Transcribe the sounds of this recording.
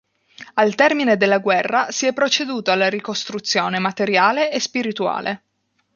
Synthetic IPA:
alt̪ɛrmined̪elːaɡwɛrːasiɛpːɾot͡ʃed̪uːt̪oalːaɾikost̪ɾut̪sːjoːnemat̪eɾjaːleʔːspiɾit̪ua̰ːlʔe

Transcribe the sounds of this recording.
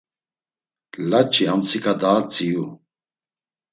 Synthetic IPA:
lɐt͡ɕʰiɦɐmt͡sʰikɐd̪aːt͡siju

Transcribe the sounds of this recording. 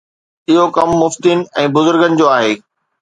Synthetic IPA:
ɪɦokɐmːʊft̪in̆ɛ̃ːbʊzʊɾɡənɪ̆d͡ʑoːaːɦeː

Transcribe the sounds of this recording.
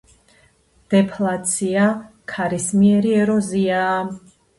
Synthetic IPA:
d̪̥ɛpʰlat̪sʰiakʰaɾismiɛɾiɛɾɔzia

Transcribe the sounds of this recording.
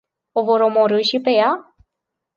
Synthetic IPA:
o̞vo̞ɾo̞mo̞ɾɨʃipe̞ja

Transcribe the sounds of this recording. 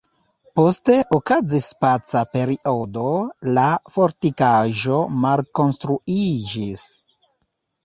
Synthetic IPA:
po̞ste̞ʔokazispat͡sape̞ɾiʔo̞do̞lafo̞ɾtikaʒo̞malko̞nstɾuid͡ʒis

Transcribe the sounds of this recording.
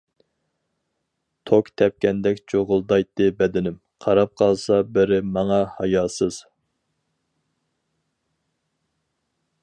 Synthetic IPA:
t̪ʰokt̪ʰɛp̚kʲɛnd̪ɛkʲt͡ʃʰoʁʊlˠd̪ɑjt̪ːɨbɛd̪ɪnɪm | qʰɑɾɑp̚qʰɑlˠsɑbɪɾɪmɑŋɑhɑjɑːsɨz̥

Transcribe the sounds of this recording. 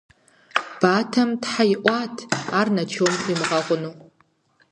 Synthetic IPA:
b̥atʰamdħajʔʷatʰarnat͡ʃʰomimʁaqʷʼʊnu

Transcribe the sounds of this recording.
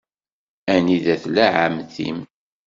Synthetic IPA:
æniðæθlæʕamθḭm

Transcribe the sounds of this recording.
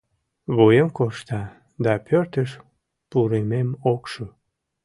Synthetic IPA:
βojəmkoʃt̪ɑ | d̪ɑpørt̪əʃ | puɾememokʃo

